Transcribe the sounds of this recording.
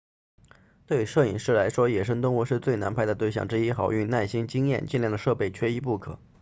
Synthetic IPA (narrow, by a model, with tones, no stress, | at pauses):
t̪we˥˧˩ʂɤ˥˩i˨˩ŋʂɻ̩˥˩la˧˥ɪʂwɔ˥jɛ˨˩ʂ̬ɤ˥ŋt̪ʊ˥ŋwɔ˧˥ʂɻ̩˥˧t͡swe˥˩ɪna˧˥npʰa˥ɪd̪ə˩t̪we˥˧ɪɕjɑ̰˥˩ŋʈ͡ʂɻ̩˥i˥xɑ˨˩ʊy˥˧na˥˩ɕi˥ŋt͡ɕi˥ŋjɛ̰˥˧nt͡ɕi˥˧nljɑ˥˩ŋd̪ə˩ʂɤ˥˧pe˥˩ɪt͡ɕʰɥɛ˥i˧˥pu˥˩kʰɤ̰˨˩˦